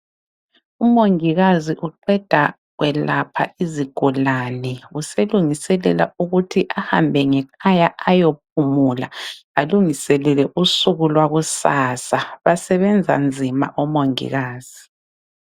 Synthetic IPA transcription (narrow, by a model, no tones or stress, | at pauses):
umoŋiɣaziʔuǃɛd̥ʱa | ɣwɛlapʰa̰ʔiziɡ̥ʱɔlanɛuseluŋisɛlɛ̰la̰uɣutʰiʔaha̰mbʱɛŋɛkʰajaʔajop̚ʰumulaaluŋisɛlɛlɛʔusuɣulwaɣusaːsaβasɛβɛnd͡zʱa̰nd͡zʱima̰ʔɔmoŋḭɣaːz̥i